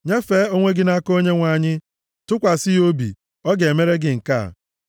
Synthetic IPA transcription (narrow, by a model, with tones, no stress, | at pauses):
ɲe˦fe˦˨˦o˦ŋʷe˦ɡɪ˦na˦ko˦ɲe˦ŋʷa˨ɲɪ˦ | tʊ˦kʷa˨sɪ˦jo˦bḭ˨ | ɔ˦ɡe˨me˦ɾe˦ɡɪ˨ŋ̩˨ka̰˦˨